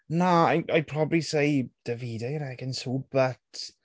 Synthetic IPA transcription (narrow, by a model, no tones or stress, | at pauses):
naajajpʰrɔbrisejd̥əviːdajɾɛɡənsubətʰ